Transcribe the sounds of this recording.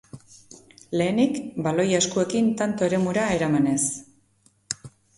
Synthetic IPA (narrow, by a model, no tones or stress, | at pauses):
le̞ːnikbalo̞jaeskue̞kint̪ant̪o̞e̞ɾe̞muɾae̞ɾamane̞s